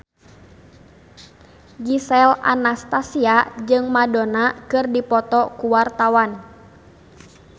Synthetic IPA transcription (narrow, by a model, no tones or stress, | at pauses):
ɡisɛla̰nast̪asiad͡ʒɨŋmadɔnakɨrdipɔt̪ɔkuwart̪awan